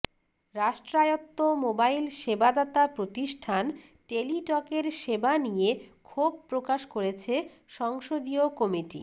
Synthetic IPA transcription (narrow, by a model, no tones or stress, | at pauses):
ɾaʃʈɾajot̪ːomobailʃebad̪at̪apɾot̪iʃʈʰan | ʈeliʈɔkeɾʃebanijekʰob̚pɾokaʃkoɾet͡ɕʰe | ʃɔŋʃod̪iokɔmiʈḭ